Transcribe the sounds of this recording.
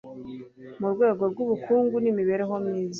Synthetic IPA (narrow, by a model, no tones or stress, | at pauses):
muɾɡwe̞ːɡo̞ɾɡuβukuːŋɡunimiβe̞ɾeɦo̞mɲiːzi